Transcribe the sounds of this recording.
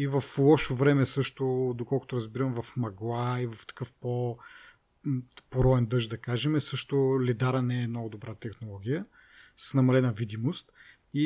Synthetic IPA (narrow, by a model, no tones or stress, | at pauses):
ivɐflˠɔʃovɾɛmɛsɤʃt̪od̪okɔlˠkʊt̪oʊɾɐzbiɾɐmvɐfmɐɡlˠaivɐft̪ɐ̥kɤfpo | poɾɔɛnd̪ɤʃʒd̪ɐkaʒɛmɛsɤʃt̪ʊlid̪aɾənɛːmnɔɡʊd̪obɾat̪ɛxnolˠɔɡʲijə | ssnɐmɐlɛnɐvid̪imost̪ | i